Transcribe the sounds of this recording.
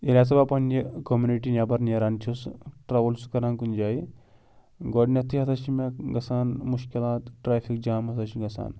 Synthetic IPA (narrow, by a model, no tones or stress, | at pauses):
elʲat͡s̬ɐbapɐnikomjuniʈinʲjabɐɾneɾaːnt͡ʃʰusʈɾaʋɐlsu̥kɐɾaːnkunʲd͡ʒai | ɡɔɽnʲɐt̪ʰiɦɐt̪ʰaʃimʲakɡɐsaːnmuʃkilaːt̪ʈɾaːfik̚d͡ʒaːmɦɐt̪ʰaʃiɡɐsa̰ːn